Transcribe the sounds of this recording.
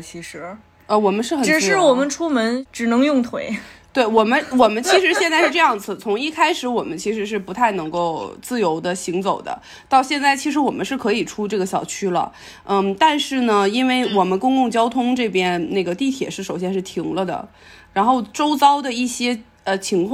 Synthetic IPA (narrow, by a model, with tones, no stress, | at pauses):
t͡ɕʰi˧˥ʂɻ̩˧˥ | ə˧wɔ˨˩mə˦nʂɻ̩˥˩xə˨˩ʈ͡ʂɻ̩˨˩˥ɻwɔ˨˩mə˦nʈ͡ʂʰu˥mə˧˥nʈ͡ʂɻ̩˨˩nɤ˧˥ŋjʊ˥˩ŋt̪ʰwe˧˥ɪt̪we˥˩ɪwɔ˨˩mə˦nwɔ˨˩mə˦nt͡ɕʰi˧˥ʂɻ̩˧˥ɕjɛ˥˧nt͡sa˥˧ɪʂɻ̩˥˧ʈ͡ʂɤ˥˧jɑ˥˩ŋt͡s̩˨˩t͡sʰʊ˧˥ŋi˥˩kʰa˥ɪʂɻ̩˧˥wɔ˨˩mə˦nt͡ɕʰi˧˥ʂɻ̩˧˥ʂ̬ɻ̩˥˩pu˧˥t̪ʰa˥˩ɪnɤ˧˥ŋko˥˧ʊt͡sɹ̩˥˩jo˧˥ʊd̪ə˧ɕi˧˥ŋt͡so˨˩ʊd̪ə̰˦ | t̪ɑ˥˧ʊɕjɛ˥˧nt͡sa˥˩ɪt͡ɕʰi˧˥ʂɻ̩˧˥wɔ˨˩mə˦ʂɻ̩˥˩kʰɤ˧˥i˨˩ʈ͡ʂʰu˥ʈ͡ʂɤ˥˩ɡə˩ɕjɑ˨˩ʊt͡ɕʰy˥lə̰˨˥˩ | t̪a˥˧nʂɻ̩˥˩nə˩i˥nwe˥˩ɪwɔ˨˩mə˦nkʊ˥ŋkʊ˥˩ŋt͡ɕjɑ˥ʊt̪ʰʊ˥ŋʈ͡ʂɤ˥˩pjɛ˥nne˥˩ɡə˩t̪i˥˩t̪ʰjɛ̰˨˩˦ʂɻ̩˥˩ʂo˨˩ʊɕjɛ˥nʂɻ̩˥˩t̪ʰi˧˥ŋlə˧d̪ə̰˩ | ɻa˧˥nxo˥˩ʊʈ͡ʂo˥ʊt͡sɑ˥ʊd̪ə˨i˥˩ɕjɛ˥ | ə˧t͡ɕʰi˧˥ŋkʰ